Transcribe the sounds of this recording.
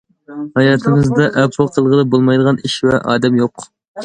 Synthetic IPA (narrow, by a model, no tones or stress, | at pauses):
hɑjɑːt̪ʰɨŋɨzd̪ɑʔæpɾolˠqʰəlˠʁəd̪ˠɨbolˠmɑjd̪əʁɑniʃvɛʔɑ̰ːd̪ɛmjoq